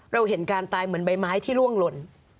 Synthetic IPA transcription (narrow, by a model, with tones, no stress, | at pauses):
ɾa˧wɦe˩˦nkaː˧nt̪aː˧jmɯ˩˦ənba˧jmaː˦˥jt̪ʰiː˥˩lu˥˩əŋlo˧n